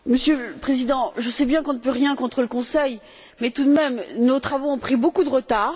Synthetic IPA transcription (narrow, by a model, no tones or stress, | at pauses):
məsjølpχezid̪ɑ̃ʒəsɛbjɛ̃kɔ̃nəpøʁjɛ̃kɔ̃t̪χələkɔ̃sɛj | mɛt̪ud̪mɛmnot̪χavoɔ̃pχibokud̪əʁət̪aːʁ